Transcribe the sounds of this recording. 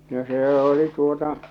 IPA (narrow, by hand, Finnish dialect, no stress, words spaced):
no seː oli tuotɑ